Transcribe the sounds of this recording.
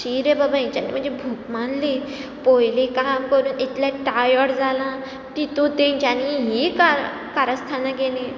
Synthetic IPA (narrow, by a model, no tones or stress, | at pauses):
ɕiɾebabʱait͡ɕanḭm̤əɳd͡zebʱukmanli | pojlĩkamkəɾuːnit̪ljaʈajɔɾd͡zalã | t̪it̪ot̪ẽɲt͡ɕaniɦika | kaɾast̪ʰanaɡelẽ